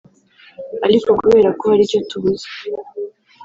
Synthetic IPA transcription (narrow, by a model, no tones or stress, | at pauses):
aɾiko̞kuβe̞ːɾakohaɾiɾco̞tuβuze̥